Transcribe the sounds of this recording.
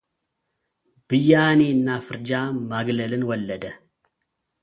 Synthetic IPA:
b̥ɨjːaːniɪnːaːfɨɾd͡ʒaːmaːɡlɐlɨnwɐlːɐd̪ɐ

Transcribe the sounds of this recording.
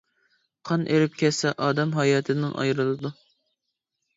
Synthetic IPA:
qʰɑnʔeɾɪp̚kʲʰɛsɛʔɑːd̪ɑmɦɑjɑːt̪ʰɨnɨŋʔɑ̰jɾɨlˠɨd̪u

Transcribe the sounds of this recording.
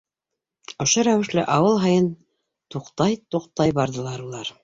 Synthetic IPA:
ŏʃoɾæwɘ̆ʃlɘʔɑwɤlˠɦɑjɤn | t̪uqt̪ɑjt̪uqt̪ɑjbɑɾðɤ̆lˠɑɾulˠɑɾ

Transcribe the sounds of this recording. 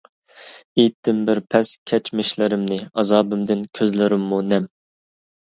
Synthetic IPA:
ejt̪ʰːɪmbɪɾpʰɛskʲʰɛt͡ʃmɪʃlɪɾɪmnɪɑzɑːbɪmd̪ɪnkʲʰøzlɪɾɪmːunɛm

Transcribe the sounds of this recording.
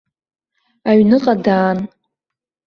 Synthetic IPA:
aɥnɨqʼadaːn

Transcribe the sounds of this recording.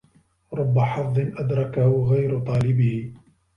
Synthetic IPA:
ɾˤʊbːaħɑfðˤɨnʔad̪ɾˤɑkahʊɣajɾʊt̪ˤɑːlɪbɪhɪ

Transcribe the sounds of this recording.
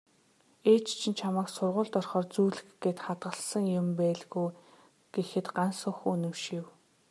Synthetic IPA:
eːt͡ɕt͡ɕʰĭnt͡ɕʰamaːksʊrʁʊːɮt̪ɔrχɔːrt͡suːɮɘ̆xɡeːt̪χat̪ɢə̆ɮsə̆ŋjʊmpæːɮɣuj | ɡ̥exɘ̆t̪ɢansʊ̆ŋxɵnɵ̆mʃiw

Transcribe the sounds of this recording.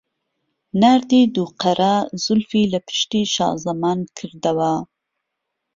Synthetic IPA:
naɾd̪id̪uqaɾʔaz̥ʊlfilapə̥ʃt̪iʃɑ̰zamɑnkʰəɾd̪awa

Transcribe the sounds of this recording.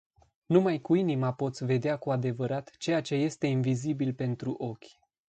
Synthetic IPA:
numajkuinimapo̞t̪sʲve̞d̪eakuad̪e̞vəɾat̪t͡ʃe̞jat͡ʃe̞je̞st̪e̞invizibilpe̞nt̪ɾuʔo̞kʲ

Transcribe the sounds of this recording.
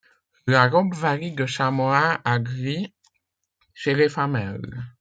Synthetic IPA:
laʁɔbvaʁid̪əʃamoaaɡʁi | ʃelefamɛl

